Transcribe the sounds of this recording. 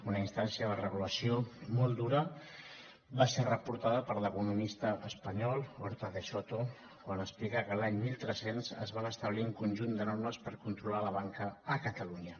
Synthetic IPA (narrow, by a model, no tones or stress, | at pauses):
unəinst̪ansiəðərəɣuləsiomɔlˠd̪uɾə | baserəpuɾt̪aðəpəɾləkunumist̪əʔəspəɲɔlˠoɾt̪əðeʃot̪o | kwanəsplikakəlaɲmilˠt̪ɾəsenzə̰zβanəst̪əβliuŋkunʲʒund̪ənɔrməspəɾkunt̪ɾulaləβ̞aŋkəːkət̪əluɲə